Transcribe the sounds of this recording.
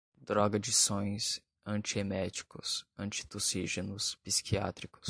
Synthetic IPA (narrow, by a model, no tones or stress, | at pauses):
d̪ɾɔɡɐd͡ʒɪsõj̃s | ɐ̃nt͡ʃiemɛt͡ʃi̥kʊsɐ̃nt͡ʃi̥t̪osiʒenʊspisi̥kia̰t̪ɾikʊ̥s